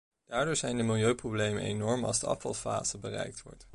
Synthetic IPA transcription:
d̥aːɹdʊːɹzɛjndəmɪlˠjøɥprowblejmə̰nejnɔɹmɑ̰lˠzdəʔɑ̰fɑ̰lˠfa̰ːzəbərɛ̰jk̚tʋɔ̰ɹt

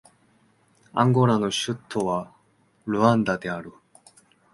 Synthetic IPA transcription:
ã̰ŋɡo̞ɾano̞ɕɨt̪ʰːo̞βa | ɾɯ̟ãnd̪ad̪e̞aɾɯ̟

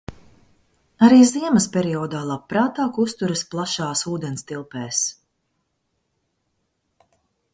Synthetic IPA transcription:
aɾiːziɛmɐspʲɛɾiɔːd̪aːlˠapːɾaːt̪aːkust̪uɾɐsplˠaʃaːsuːd̪ɛnst̪ilˠpɛːs

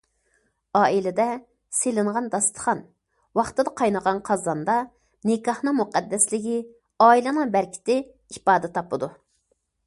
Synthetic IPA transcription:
ɑːilɪd̪ɛ | selɪɴʁɑnd̪ɑst̪ʰə̥χɑn | wɑχt̪ɨd̪ɑqʰɑjnəʁɑnqʰɑzɑnd̪ɑ | nɪkɑhnɨmuqɛd̪ːɛslɪɡʲi | ɑːilˠɨnɨŋbæɾkʲʰɪ̥t̪ɪ | ipɑːd̪ɛt̪ʰɑpɨd̪u

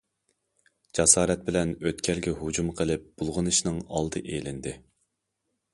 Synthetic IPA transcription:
d͡ʒɑsɑːɾɛt̪̚bɪlɛnøt̪kʲʰɛlɡʲɛɦud͡ʒumqʰəlˠɪp̚b̥ulˠʁənɨʃnɨŋɑlˠd̪ɨʔelɪnd̪ɪ

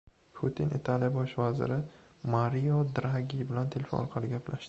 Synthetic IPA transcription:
pʰut̪ʰɪnʔɪt̪ʰalijbɒʃvazɪ̰ɾɪ | maɾijɒd̪ɾaɡʲibɪlant̪ʰelʲfonɒɾqʰɑlɪɡʲapʰlaʃd̪ɪ

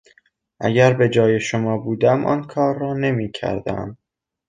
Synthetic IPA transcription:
ʔæ̰ɟæɾbe̞d͡ʒɒːje̞ʃomɒːbuːd̪æmʔɒ̰nkʰɒːɾːɒːne̞miːcʰæ̰ɾd̪æ̰m

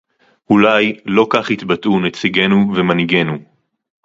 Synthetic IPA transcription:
hulajlo̞kaχhit̪batunet͡siɡe̞nuvemaniɡe̞nu

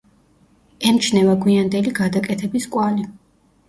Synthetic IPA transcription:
ɛmt͡ʃʰnɛvaɡwiand̪ɛliɡad̪akʼɛt̪ʰɛbiskʼwali

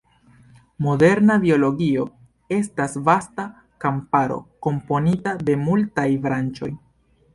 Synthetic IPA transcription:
mo̞de̞ɾnabio̞lo̞ɡio̞ | e̞stasvasta | kampaɾo̞̰ko̞mpo̞nitade̞multajbɾant͡ʃo̞̰j

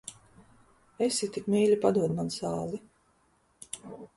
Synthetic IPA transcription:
esit̪ikmʲiːlʲipad̪uɔd̪mansaːlˠi

